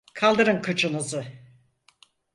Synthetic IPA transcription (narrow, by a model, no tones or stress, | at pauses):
kʰalˠd̪ɯɾɯnkʰɯt͡ʃʰɯnɯzɯ